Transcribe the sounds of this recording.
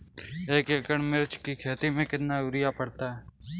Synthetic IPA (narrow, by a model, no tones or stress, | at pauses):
eːkekəɳmɪɾt͡ʃkikʰeːt̪imẽkɪt̪naʊɾɪjapəɽt̪aɦɛː